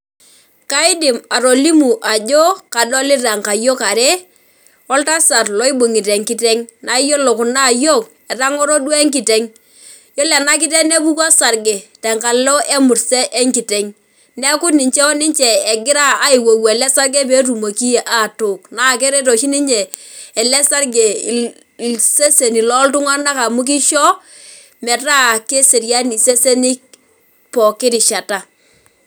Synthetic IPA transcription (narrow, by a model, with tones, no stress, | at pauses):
ka˦ɪ˦dɪ˨ma˨ɾo˨li˦mu˨ʔa˨d͡ʒo˦ka˨dɔ˦lɪ˦ra˨ŋka˨jo˦ka˨ɾɛ˦ | ɔ˦lta˦sa˨rlɔ˦i˦bʊ˨ŋi˨te˨ŋki˦tɛ˦ŋna˨i˦jo˦lo˨kʊ˨na˦˨jo˦˨k | ɛ˨ɾa˦ŋɔ˦ɾo˦dwɛ˦ŋki˨te˦ŋ | jo˦lɛ˨na˦k̬ɪ˦tɛ˦ne˦bu˦kɔ˦sa˨rɡe˨tɛ˨ŋka˨llɔ˦ʔe˦mʊ˨ɾsɛ˦ʔe˦ŋki˨te˨ŋ | nɛ˦kʊ˦tnɪ˨ɲt͡ʃɛ˦ɔ˦nɪ˦ɲt͡ʃɛː˨ɡɪ˦ɾa˦a˨˦i˨wo˨we˨lɛ˦sa˦rɡe˦pe˦tu˨mo˨ki˦je˨ʔa˨tʊ˨kna˦˨ke˦ɾe˦to˨ʃi˦ni˦ɲɛː˨lɛ˦sa˦rɡe˨ | se˦se˨ni˨lɔ˦ltʊ˦ŋa˦na˦ka˨mu˦k̬i˦ʃɔ˦ | mɛ˨ta˦˨ke˦se˨ɾja˦ni˨se˦se˦ni˦k̚ | pɔ˨kɪ˦ɾɪ˨ʃa˨ta˨